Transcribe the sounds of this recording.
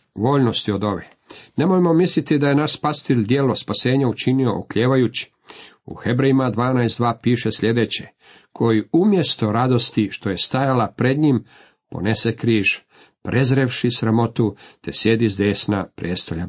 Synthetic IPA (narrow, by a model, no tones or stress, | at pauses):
ʋo̞ːʎnost̪io̞d̪o̞ʋe | ne̞mojmo̞mislit̪id̪aje̞naʃpast̪ild̪je̞ːlospase̞ːɲaut͡ʃinio̞̰ʔo̰kʎeːʋajut͡ɕi̥ | ṵhe̞bɾejimad̪ʋaːnajsd̪ʋaːpiːʃesʎʲe̞d̪e̞t͡ɕe | kʰo̞jiumje̞st̪o̞ɾad̪o̞st̪iʃt̪o̞je̞st̪ajalapɾe̞d̪ɲim | po̞̰ne̞sekɾiːʒ | pɾʔe̞zɾeʋʃisɾamo̞t̪ut̪e̞sje̞d̪izd̪e̞ːsnapɾʔeːst̪o̞ʎa